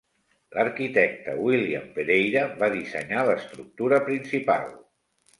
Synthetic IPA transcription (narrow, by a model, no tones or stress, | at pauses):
ləɾkit̪ɛk̚t̪ə̰wilia̰mpeɾejɾəβaðisə̰ɲaləst̪ɾuk̚t̪uɾəpɾinsipa̰lˠ